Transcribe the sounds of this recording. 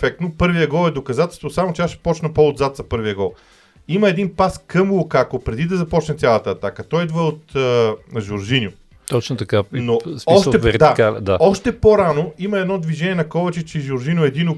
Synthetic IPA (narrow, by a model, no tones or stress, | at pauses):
fɛk̚t̪nopɤɾvijəɡɔlɛd̪okɐzat̪ɛlst̪vosamot͡ʃɛaʃɛ̥pɔt͡ʃnɐpood̪zat̪zɐpɤɾvijəɡɔlˠ | imɐɛd̪inpaskɤmulˠkakopɾɛd̪id̪ɐzɐpɔt͡ʃnɛt̪sʲjalˠɐt̪ɐːt̪akət̪ɔjid̪vəot̪əʒʊɾʒinjʊ | t̪ɔt͡ʃnot̪ɐkanosɔʃɛɛɾt̪d̪akald̪aɔʃt̪ɛpoɾanoimɐɛd̪nɔd̪viʒɛnʲiɛnɐkɔvɐt͡ʃɛt͡ʃɛʒʊɾʒinʲjʊɛd̪ino